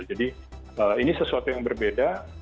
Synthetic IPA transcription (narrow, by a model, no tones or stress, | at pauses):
d͡ʒadi | əinisəsuat̪ujaŋbərbeda